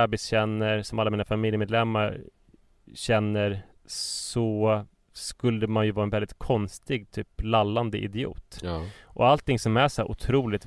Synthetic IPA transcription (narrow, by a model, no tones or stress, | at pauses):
abɪsɕɛnːəɾsɔmʔalːamiːnafamɪljəmeːd̪lɛmːaɾ | ɕɛnːəɾ | sɔ | skɵld̪əmanjɵvɑːɾɛnvɛlɪt̪̚kʰɔnst̪ɪɡ̚t̪ʰyːplalːand̪əʔɪ̰d̪ɪṵːt̪ʔɔ̰alt̪ɪŋsɔmæʂæʔʊ̰t̪ʰɾuːlɪt̪